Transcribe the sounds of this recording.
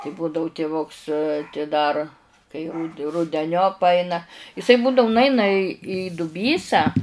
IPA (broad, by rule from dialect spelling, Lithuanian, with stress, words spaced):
tʲɪ ˈbuːdɐʊ tʲɪˈʋʊks tʲɪ dɐr kɐɪ rʊt rʊdʲɛˈnʲoːp ˈɐɪnɐ ɪˈsɐɪ ˈbuːdɐʊ nʊˈɐɪnɐ ɪ iː dʊˈbʲiːsɑː